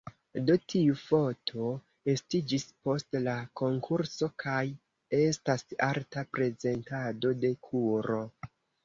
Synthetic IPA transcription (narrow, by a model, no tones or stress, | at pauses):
dotʰiufo̞tʰo̞ | e̞stid͡ʒispo̞stlako̞ŋkʰuɾso̞kʰaj | e̞stasaɾtapɾe̞ze̞ntado̞de̞kʰuɾo̞